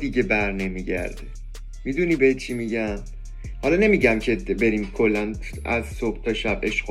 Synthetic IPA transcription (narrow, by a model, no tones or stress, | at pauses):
d̪iɟe̞bæɾne̞miːɟæ̰ɾd̪e | miːd̪uniːbehet̪t͡ʃʰimiɟæm | hɒlɒne̞miːɟæmcʰe̞be̞ɾiːmkʰo̞lːæn | æzsob̥t̪ʰɒʃæb̥e̞ʃ